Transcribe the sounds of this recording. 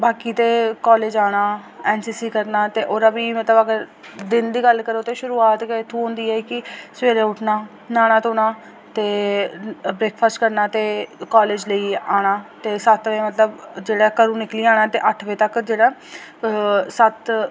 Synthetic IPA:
baːkiːt̪eːkɔːleːd͡ʒaːɽ̃aː | ɛːnsiːsiːkəɾnaːt̪eːʔoːɾəbiːmət̪ləbəɡəɾ | d̪ɪnd̪iːɡəlːkəɾoːt̪eːʃʊɾuːaːt̪kːt̪ʰũːɦʊ̃ːnd̪iːɛːkɪsʋeːɾeːʊʈʰnaː | naːɽ̃aːt̪oːnaː | t̪eː | bɾeːkpʰasʈkəɾnaːt̪eːkaːleːd͡ʒləiːaːɽ̃aːt̪eːsət̪ʋẽːmət̪ləbd͡ʒeːɽaːkəɾũːnɪkliːaːɽ̃aːt̪eːʔəʈʰʋẽːt̪əkd͡ʒeːɽaː | sət̪

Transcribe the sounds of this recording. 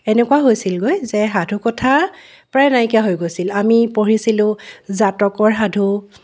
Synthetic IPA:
ɛnɛkwaɦojsilɡojzɛɦadʱukɔtʰa | pɹajnajkijaɦojɡojsilamipoɹisilʊ̃zatɔkɔɹɦadʱu

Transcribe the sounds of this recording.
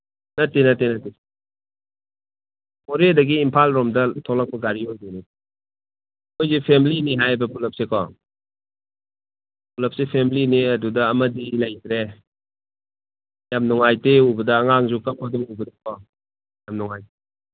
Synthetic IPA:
nɐtːenɐtenɐte | ɔɾedɐɡiːmpʰalɾɔmdɐtʰɔlak̚pɐɡaɾiojdeni | mojzepʰemliniɦajɐbɐpulɐp̚sekʰɔ̰ | pulɐp̚sepʰemliniɐdudɐːmɐdilɐjtɾe | jamnuŋajteubɐdɐːŋaŋzukakʰɔdɔmujbɐdɐkʰɔ | jamnɔŋajte

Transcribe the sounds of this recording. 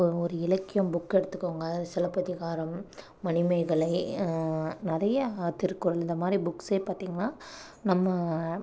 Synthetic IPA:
ɔɾɯɪlɐkːɪjʊ̃mbʊkːɛɽɯt̪ːɯkːoːŋɡɐːðaːðɯsɪlɐpːɐðɪɣaːɾɐmː | ɐnɪmɐɪɣɐɭɐɪ | nɪɾɐjɐt̪ːɪɾɯkːʊɾɐlɪnd̪ɐmaːd̪ɾibʊkseːpaːɾt̪iːŋɡɐnaː | nɐmːɐ

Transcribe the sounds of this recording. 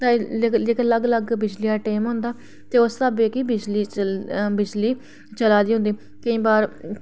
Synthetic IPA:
t̪ãɪkləɡləɡbɪd͡ʒlijaːʈeːmɦʊ̃nd̪aː | t̪eːʊsaːbeːkiːbɪd͡ʒliːbɪd͡ʒliː | t͡ʃəlaːd̪iːɦʊ̃nd̪iː | kəĩːbaːɾ

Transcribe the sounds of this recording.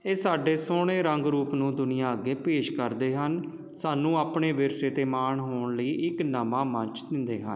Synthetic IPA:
eːsaːɖeːsoːɽ̃eːɾəŋɡɾuːpnũːd̪ʊnɪjãːəɡːeːpeːʃkəɾd̪eːɦən | saːnũːaːpɳeːʋɪɾseːt̪eːmaːɳɦoːɳləiːʔɪknəmãːmə̃ɲt͡ʃd̪ɪnd̪ḛːɦə̰n

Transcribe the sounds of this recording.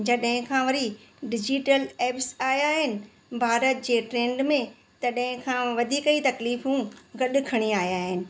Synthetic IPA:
d͡ʑɐɗɦɪ̃kʰãːʋɐɾi | ɖɪd͡ʑiːʈəleːpsaːɦjaːɦɪnɪ̆ | bʱaːɾət̪̚d͡ʑeːʈɾẽːɳɖmẽ | t̪ɐɗɦɪ̃kʰãːʋɐd̪ʱiːkəit̪ɐkliːfũɡɐɗʊkʰɐɽ̃iaːijaːɦɪnɪ̆

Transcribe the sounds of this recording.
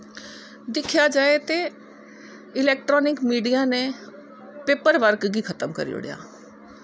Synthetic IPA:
d̪ɪkʰjad͡ʒaːet̪e | ɪlɛːk̚ʈɾɔːnɪkmiːɖijanẽ | peːpəɾʋəɾkɡikʰət̪əmkə̰ɾḭo̰ːɽ̰ja̰ː

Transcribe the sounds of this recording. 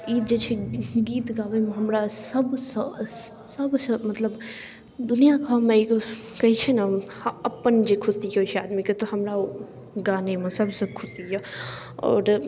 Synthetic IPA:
iːd͡ʒet͡ʃʰeɡiːt̪ɡaːʋemẽɦɐmɾasɐbsə | sɐbsə̃mɐt̪ləb | d̪ʊnijakʰamẽikokɐɦit͡ʃʰenaɐpənd͡ʒekʰʊst̪ioːt͡ʃʰeaːd̪miket̪oɦɐmɾa | ɡaːnemẽsɐbsɐ̃kʰʊsiɦaɔ̰ːɾ

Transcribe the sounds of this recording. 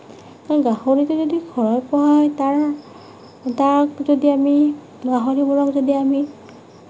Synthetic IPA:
kaɹɡahoɹitʊzodiɡʰʱɔɹɔjpɔɦajtaɹ | takzodiami | ɡaɦoɹibɔɹɔkzodiami

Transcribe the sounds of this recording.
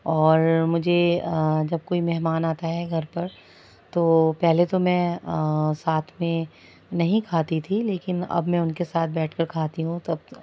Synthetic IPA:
ɔːɾmʊd͡ʒʱed͡ʒɐb̚koːimɛɦmaːnaːt̪aɦɛɡʱɐɾpɐɾ | t̪oːpɛɦlet̪omɛ̃ | saːt̪ʰmẽ | nɐɦĩkʰaːt̪it̪ʰileːkɪnɐ̰bmɛ̃ʊnkesaːt̪̚ʰbɛːʈʰkɐɾkʰaːt̪iɦũt̪oɐb

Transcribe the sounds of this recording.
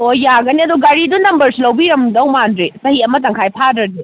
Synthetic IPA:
ojjaɡɐniɐduɡaɾidunɐmbɐɾsilɐwbiɾɐmdɐwmandɾesɐhiɐmɐt̬ɐŋkʰajpʰadɾɐdi

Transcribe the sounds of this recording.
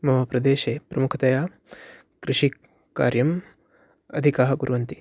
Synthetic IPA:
mɐɦɐpɾɐd̪eːʃeːpɾɐmukʰɐt̪ɐjaː | kɾɪʂi | ka̰ːɾjɐm | ɐd̪ʱikaːɦɐɡuɾuʋɐnt̪i̥

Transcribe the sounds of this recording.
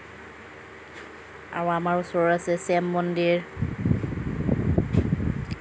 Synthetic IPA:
a̰ɹw̃amaɹusɔɹɔɹasɛsɛmːɔndiɹ

